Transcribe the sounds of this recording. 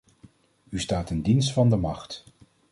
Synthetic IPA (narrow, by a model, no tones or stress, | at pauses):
ystaːtɪndinstfɑndəmɑχt